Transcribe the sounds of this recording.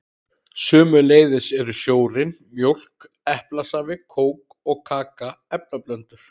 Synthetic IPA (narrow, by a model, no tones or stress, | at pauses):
sʏːmʏleːjðɪsɛɾʏsjoːwɾɪnmjowl̥k | ɛhplasavɪkʰoːwk | ɔɣkʰaːkaɛp̚naplœnt̪ʏɾ̥